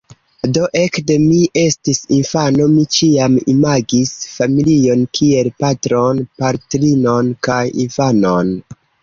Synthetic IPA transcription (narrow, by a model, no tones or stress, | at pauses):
do̞ʔe̞kde̞miʔe̞stisinfano̞mit͡ʃiamḭmaɡisfamilio̞nkʰielpatɾonpaɾtɾino̞nkajḭnfano̞n